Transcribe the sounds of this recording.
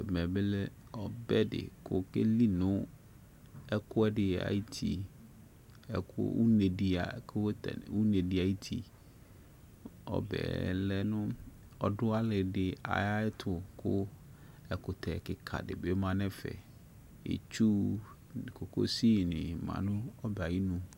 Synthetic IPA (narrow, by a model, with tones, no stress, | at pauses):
mɛ̃˨bɪ˦lɛ˦ɔ˨bɛ˦dɪ̰˨kʰʊ˦ke˦li˦nʊ̃˦ | ɛ˦kʰʊ˦ɛ˦dɪ˨a̰˨i˦tʰi˨ | ɛ̰˨kʰʊ̰˦ṵ˦ne˨di˨a˨kʰtɛ̰˨wu˦ne˨dɪ˨a˨i˦tʰi˨ | ɔ̰˦bɛ̰ː˨lɛ˦nʊ̃˦ | ɔ˨dʊ˦a˦lɪ˨dɪ˨a̰˨ja˦ɪ˦tʰʊ˨kʰʊ˦ | ɛ˨kʊ˨tʰɛ˨kɪ˨kʰa̰˨dɪ̰˨be˦mã˦nɛ̃˦fɛ̰˨ | ḛ˨t͡ʃu˦˨ | ko˨ko̰˦si˦˨nɪ̃˨mã̰˨nʊ̃˦ɔ˦ba˨ji˦nũ˨